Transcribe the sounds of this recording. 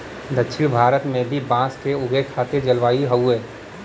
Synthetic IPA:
d̪ɐkʃʰɪɽ̃bʱaːɾət̪mẽbʱibãːskeʊɡekʰaːt̪ed͡ʒɐlʋaːiɦɐueː

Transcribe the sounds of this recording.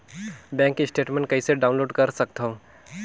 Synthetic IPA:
bɛ̃ːŋkɪsʈeːʈmẽɳʈ̚kɐiseɖaʊnloːɖkəɾsək̚t̪ʰo

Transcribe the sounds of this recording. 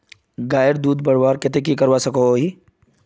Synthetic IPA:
ɡaːjəɾd̪uːd̪bɐɾbaːɾkɪt̪ekikɐɾʋasɐkooɦiː

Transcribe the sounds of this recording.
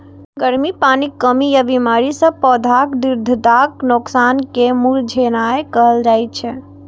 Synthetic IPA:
ɡəɾmipanikːəmijabimaɾisə̃pɔd̪ʱakd̪iɾd̪ʱd̪aknoksankemuld͡ʒʱenaekəɦəld͡ʒaɛtt͡ʃʰɛ

